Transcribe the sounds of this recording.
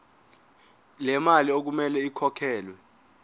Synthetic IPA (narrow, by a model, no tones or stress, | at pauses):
lɛmaliok̬umɛlɛikʰɔkʰɛːlwɛ